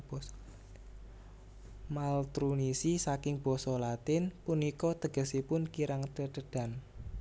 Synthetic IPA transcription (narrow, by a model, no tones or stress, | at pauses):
malt̪ɾunisisakɪŋb̥ɔ̤sɔlat̪ɪnpunikɔt̪əɡ̥ə̤sipʊnkiɾaŋt̪əd̥əɖ̥a̤n